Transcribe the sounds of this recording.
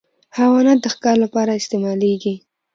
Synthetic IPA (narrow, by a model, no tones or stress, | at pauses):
hawɑnat̪̚d̪əxkɑɾlapɑɾaɪst̪emɑleɡi